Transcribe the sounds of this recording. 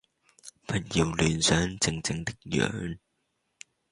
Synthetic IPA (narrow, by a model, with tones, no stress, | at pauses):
fɐ˨˩t̚ji˨˩wlyː˨˩nsœː˨˥ŋt͡sɪ˧ŋt͡sɪ˧ŋt̪ɪ˥k̚jœ̰ː˨˥n